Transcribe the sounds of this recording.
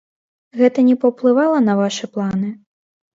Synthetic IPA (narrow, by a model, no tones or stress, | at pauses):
ɣɛt̪ɐnʲɛpɐwplˠɨvalˠɐnɐvaʂɨplˠanɨ